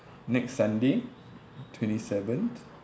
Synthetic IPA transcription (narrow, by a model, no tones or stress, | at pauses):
nɛksːãnde | tʰwɛ̃ntisɛvə̃nt